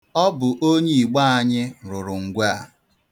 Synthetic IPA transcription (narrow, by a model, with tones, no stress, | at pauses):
ɔ˦bʊ˨ʔo˦ɲe˦i˨ɡ͡ba˦a˦ɲɪ˦˨ɾʊ˨ɾʊ˨ŋ̩˨ɡʷa˦˨